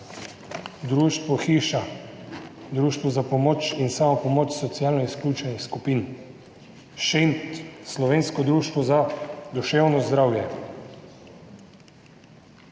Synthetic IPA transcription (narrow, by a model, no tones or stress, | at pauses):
d̪ɾuːʃt̪ʋɔxiːʃa | d̪ɾuːʃt̪ʋɔzapɔmoːt͡ʃinsaːmɔpɔmoːt͡ʃsɔt̪sijaːlnɔisklʲuːt͡ʃɛnixskupiːn | ʃent̪slɔʋeːnskɔd̪ɾuːʃt̪ʋɔzad̪uʃewnɔzd̪ɾawjɛ